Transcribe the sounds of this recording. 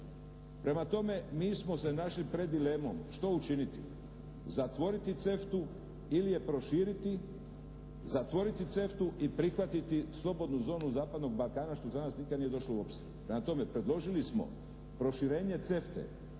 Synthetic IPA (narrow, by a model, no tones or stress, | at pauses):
pɾe̞mat̪o̞me̞miːsmo̞se̞naʃlipɾe̞d̪ːile̞mo̞̰mʃt̪o̞ut͡ʃinit̪ḭ | zat̪ʋo̞ɾit̪it̪se̞ft̪u | ilije̞pɾo̞ʃiːɾit̪i | zat̪ʋo̞ɾit̪it̪se̞ft̪uʔipɾixʋat̪it̪islˠo̞bo̞d̪nuzo̞ːnuzaːpad̪no̞ɡ̚balkaːnaʃt̪o̞zanaːsnikad̪nije̞d̪o̞ʃlouopʃst̪i | pɾemat̪o̞me̞pɾe̞d̪lˠo̞ʒilismo̞̰ | pɾo̞ʃiɾe̞ːɲe̞t̪se̞ft̪ḛ